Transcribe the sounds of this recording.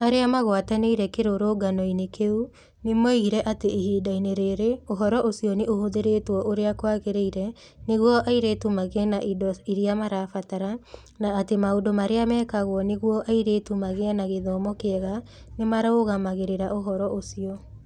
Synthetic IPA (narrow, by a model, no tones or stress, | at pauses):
aɾeamaɣwataneiɾɛkeɾoɾoɡanɔinekeu | nemɔiiɾɛʔateihiːdaineɾeɾeoɦɔɾɔʔosiɔneohoðeɾetwɔʔoɾeakwaɣeɾeiɾɛ | neɣwɔʔaiɾetumaɣɛnaʔidɔiɾiamaɾafataɾa | naːtemaodomaɾeamɛːkaɣwɔneɣwɔʔaiɾetumaɣeɛnaɣeðɔːmɔkeɛɣa | nemaɾaoɣamaɣeɾeɾaʔoɦɔɾɔʔosiɔ